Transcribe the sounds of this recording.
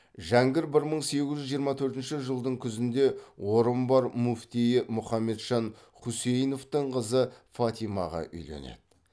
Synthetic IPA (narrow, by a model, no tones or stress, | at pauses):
ʒæŋɡʲɪɾbɪɾməɴse̞ɡʲɪzʒʏzʒijəɾmɑt̪ʰɵɾt̪ɪnʃɪʒəlˠd̪əɴkʲʰʏzɪnd̪e̞woɾəmbɑɾmuft̪ijɪmʊχɑmːe̞t̪ʒɑn | χuse̞jno̞ft̪əɴqʰəzəfɑt̪ijmɑʁɑ̰ʔʏ̰jle̞̰nḛd̪̥ɪ